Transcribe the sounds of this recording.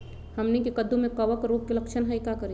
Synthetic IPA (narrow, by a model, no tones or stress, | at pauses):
həmnikekəd̪umẽkɐʋəkɾuːp̚kelɐkʃʰənɦəjkakəɾi